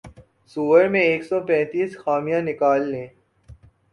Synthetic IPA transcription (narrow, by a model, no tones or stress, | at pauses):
suːʋəɾmẽeːksɔpɛ̃ːt̪iːsxaːmijãnɪkaːlːẽː